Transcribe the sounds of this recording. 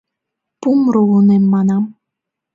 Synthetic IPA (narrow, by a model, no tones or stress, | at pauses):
pumɾuunemːɑnɑm